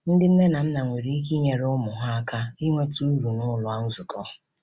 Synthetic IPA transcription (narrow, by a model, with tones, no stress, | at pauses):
n̩˦dɪ˦n̩˦ne˦na˨n̩˦na˨ŋʷe˨ɾi˦i˦k̬i˦ɲe˨ɾʊ˦mʊ˨ɦa˦a˦ka˦i˦ŋʷe˦tu˦u˦ɾu˨nʊ˦lʊ˦a˦n̩˦zʊ˨kɔ˦